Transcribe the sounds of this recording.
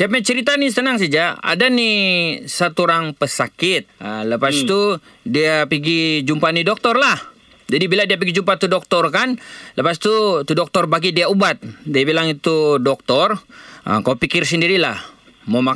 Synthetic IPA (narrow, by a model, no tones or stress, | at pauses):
siapaɲat͡ʃəɾit̪anis̬t̪ənaŋs̬ad͡ʒaa̰danisat̪uɾaŋpəsakɪt̪̚ələpast̪u | diapiɡid͡ʒumpanidɔk̚t̪ɔrlah | d͡ʒadibiladiap̬iɡid͡ʒumpat̪udɔk̚t̪ɔrkanləpast̪ut̪udɔk̚t̪ɔrbaɡidiaubat̪̚diabilaŋit̪udɔk̚t̪ɔrə̰kawpikɪrsəndiɾilah | mama